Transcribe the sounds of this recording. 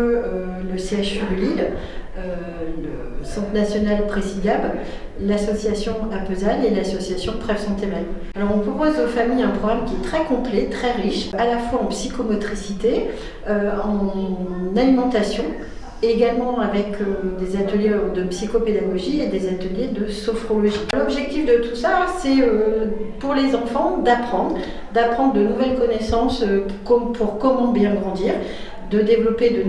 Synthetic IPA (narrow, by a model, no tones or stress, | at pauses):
əøləseaʃyd̪əlil | ø | lə̰ | sɑ̃t̪nasjɔnalpχesid̪abl | lasɔsjasjɔ̃apøzanelasɔsjasjɔ̃p̪χɛvsɑ̃t̪emani | alɔʁɔ̃pχɔpozofamijɛ̃pχɔɡʁamkʲiɛt̪χɛkɔ̃plɛt̪χɛʁiʃalafwaɑ̃psikomɔt̪χisit̪e | øɑ̃nalimɑ̃t̪asjɔ̃ː | ɡalmɑ̃avɛkʰød̪ezat̪əljed̪əpsikoped̪aɡɔʒied̪ezat̪əljed̪əsɔfχolɔʒilɔbʒɛk̚t̪ifd̪ət̪u̥sasɛøpuʁlezɑ̃fɑ̃d̪apχɑ̃d̪ʁ | d̪apχɑ̃d̪ʁd̪ənuvɛlkɔnɛsɑ̃søkɔpuʁkɔmɑ̃bjɛ̃ɡʁɑ̃d̪iːʁ | d̪əd̪evlɔped̪ə